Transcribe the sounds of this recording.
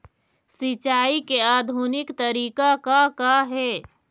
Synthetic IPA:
sɪt͡ʃaːikeaːd̪ʱunɪkt̪əɾiːkakakaɦɛː

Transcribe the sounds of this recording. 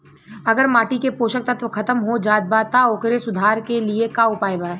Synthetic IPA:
ɐɡəɾmaːʈikepoːʃək̚t̪at̪okʰɐt̪əmɦod͡ʒaːd̪̚bat̪aoːkɾesʊd̪ʱaːɾkeliekaʊpaːjbaː

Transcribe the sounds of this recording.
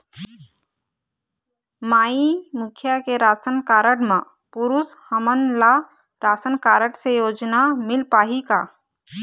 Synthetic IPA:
maːimʊkʰjakeɾaːsənkaːɾəʈmã | pʊɾʊshəmənla | ɾaːsənkaːɾəʈsejoːd͡ʒnamɪlpaːɦikaː

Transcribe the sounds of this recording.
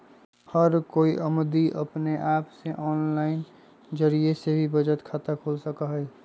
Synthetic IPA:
həɾkoːiʔəmd̪iʔə̰pneʔaːpseʔɔːnlaːɪn | d͡ʒəɾiesebʱibəd͡ʒət̪kʰaːt̪akʰoːlsəkəɦɛ

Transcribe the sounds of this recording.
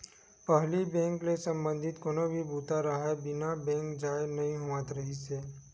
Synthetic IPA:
pəɦlibɛ̃ŋklesə̃mbə̃nd̪ʱɪt̪koːnobʱibʱuːt̪aɾəɦaebɪnabɛ̃ŋkd͡ʒaːjnɐɦĩɦoʋãt̪ɾəɦise

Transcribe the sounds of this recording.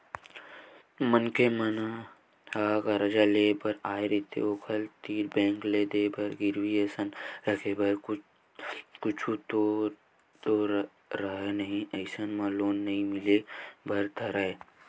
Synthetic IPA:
mənkemɐna | haːɡɐɾɐd͡ʒaleːbɐɾaːeɾit̪ʰḛoːkʰəlt̪iːɾbɛ̃ːŋkled̪eːbɐɾɡɪɾwiesənekʰebɐɾ | kʊt͡ʃʰut̪o | t̪o | ɾɐɦenɐɦĩʔɐɪsənmãloːnːɐɦĩmɪlebʱɐɾt̪ʰɐɾae

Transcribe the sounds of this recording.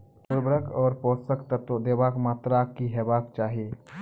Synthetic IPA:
t̪ʊɾbɾəkɔːɾpɔːsəkt̪ət̪od̪eːbaːkmaːt̪ɾakːiɦɛbaːkt͡ʃaːɦieː

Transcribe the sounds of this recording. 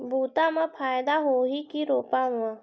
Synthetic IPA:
bʱuːt̪ãmãpʰaːjd̪aɦoːɦikiɾoːpaɦʊã

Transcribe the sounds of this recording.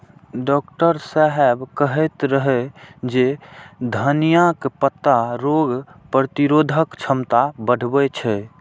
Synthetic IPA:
ɖɔkʈəɾsaɦɛbkəɦɛt̪ɾəɦɛd͡ʒed̪ʱənijakpət̪ːaɾoɡpɾət̪iɾod̪ʱəkt͡ʃʰəmt̪abəɽ̤ʱbɛt͡ʃʰɛ

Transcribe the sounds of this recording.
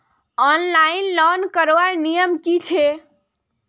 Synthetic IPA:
ɔnlainlɔnkəɾʋaɾnijəmkit͡ʃʰe

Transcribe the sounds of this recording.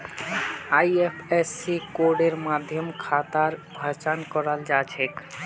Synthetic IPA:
ajepʰesːikoɾɖeɾmad̪ʱjɔmkʰat̪aɾbʱat͡ʃankɔɾald͡ʒat͡ʃʰek

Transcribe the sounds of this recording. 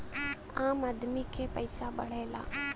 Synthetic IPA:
ãːmɐd̪mikʰepəɪsaɓɐ̰ɽ̤eːla̰ː

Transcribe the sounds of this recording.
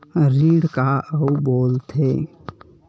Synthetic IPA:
ɾiːɽkaəuboːlt̪ʰe

